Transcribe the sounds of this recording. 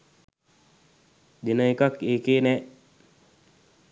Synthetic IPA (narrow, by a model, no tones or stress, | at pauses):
d̪enəikakeːkeːnɛ